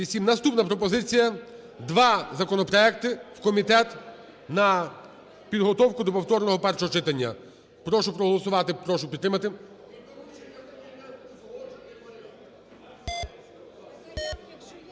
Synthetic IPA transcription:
isʲimnɐst̪upnɐpɾɔp̬ɔzɪt͡sʲijɐ | d̪ʋɑzɐkɔnɔpɾɔɛkt̪ɪwkɔmʲit̪ɛt̪ | nɐ | pʲid̪ɦɔt̪ɔwkʊd̪ɔpɔwt̪ɔrnɔɦɔpɛrʃɔɦɔt͡ʃɪt̪ɐnʲːɐ̰ | pɾɔʃʊpɾɔɦɔlˠɔsʊʋɑt̪ɪpɾɔʃʊpʲid̪ɾɪmɐt̪ɪ

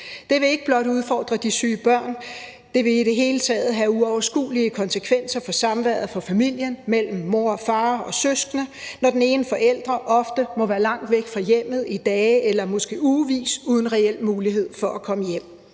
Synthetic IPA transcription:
d̥e̝ʋe̝e̝ɡ̥əb̥lɒ̽d̥uð̞ˠfɒ̰ːd̥ʁɐd̥isyːb̥ɶɐ̰n | d̥e̝ʋe̝iɾe̝ɦe̝ːlət͡sʰɛːð̞̩ˠɦæuɒʊɐsɡ̥ṵːliəkʰɒ̽nsəkʰʋen̰sɐfɒ̽sɑ̈mʋæɐ̰ðˠfɒ̽fæmil̰jənmel̰m̩ːo̝ɐ̰ɒ̽fɑ̈ːɒ̽søsɡ̥nənɒd̥ene̝ːnəfɒ̽ʔel̰d̥ʁɐʔɒ̽fd̥əmɒ̽ʋæːɐlɑ̈ŋ̰d̥ʋeɡ̥fʁɑ̈jem̰ð̞̩ˠid̥ɛːelɐmɔ̽sɡ̥e̝̰ːuʋḭːsuːð̞ˠn̩ʁɛel̰muːliɦe̝ð̞̰ˠfɒ̽ʔækʰɒ̽məjem̰

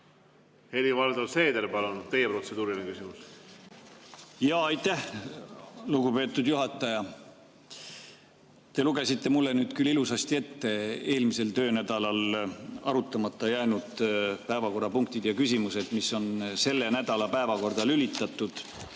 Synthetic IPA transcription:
he̞livɑld̪olse̞ːd̪eɾpɑlunud̪̚t̪e̞jepro̞t̪se̞d̪̥uːɾinekysʲimus | jɑːɑjt̪ːˑæh | luɡupe̞ːt̪ːˑud̪̥juɦɑt̪ːˑɑjɑ | t̪e̞luɡ̥e̞sit̪ːe̞mulːe̞nyːd̪̥kylːilusɑst̪ie̞t̪ːe̞e̞ːlmise̞lt̪ø̞ːnæd̪̥ɑlɑlɑ̰ɾut̪ːˑɑmɑt̪ˑːɑjæːnud̪̥pæevɑko̞rːɑpuŋkt̪id̪̥jɑkysimuse̞d̪̥misːo̞nse̞lːenæd̪ɑlɑpæevɑko̞rd̪̥ɑlylit̪ːˑɑt̪ːˑud̪̥

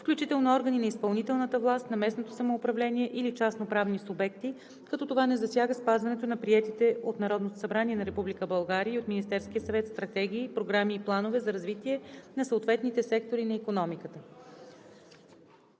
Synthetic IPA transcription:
fklʲut͡ʃit̪ɛlˠnoɔɾɡəninɐispɐlˠnit̪ɛlˠnət̪əvlˠast̪nɐmɛsnot̪osɐmoːpɾɐvlɛniɛʔilit͡ʃasnopɾavnisubɛk̚t̪i | kɐt̪ɔt̪ovanɛzɐsjaɡəspazvɐnɛt̪onɐpɾiɛt̪it̪ɛot̪nɐɾɔd̪not̪osɐbɾaniɛnɐɾɛpublikəbɐlˠɡaɾiəiot̪minʲist̪ɛɾsk̟ijəsɐvɛt̪st̪ɾɐt̪ɛɡ̟ʲiːpɾoɡɾamiːplˠanovɛzɐɾɐzvit̪iɛnɐsəoːt̪vɛt̪nit̪ɛsɛk̚t̪oɾinɐikonɔmikət̪ə

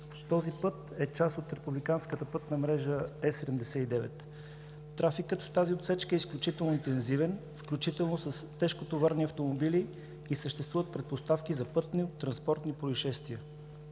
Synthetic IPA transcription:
t̪ɔzipɤt̪ɛt͡ʃasot̪ɾɛpublikanskət̪əpɤt̪nəmɾɛʒəɛsɛd̪ɛmd̪ɛsɛid̪ɛvɛt̪ː | ɾafikət̪ft̪aziot̪sɛt͡ʃkəɛisklʲut͡ʃit̪ɛlˠnoint̪ɛnzivɛnfklʲut͡ʃit̪ɛlˠnosəst̪ɛʃkot̪ovaɾniɐft̪omobili | isəʃt̪ɛst̪vuvət̪pɾɛt̪̚post̪afkizɐpɤt̪nit̪ɾɐnspɔɾt̪nipɾoiʃɛst̪viə

